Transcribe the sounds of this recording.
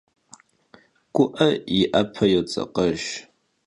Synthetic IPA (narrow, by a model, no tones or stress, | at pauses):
ɡʷʊʔɐiʔɐpʰɐjot͡sʼɐ̰qɐʒ